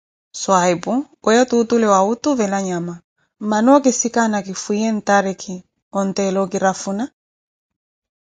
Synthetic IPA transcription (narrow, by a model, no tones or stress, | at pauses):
swaibu | ɔjatutulɛwautuvɛlaɲama | manɔkisikanakifujɛn̩taɾɛkʰi | ɔntɛlɔkiɾafuna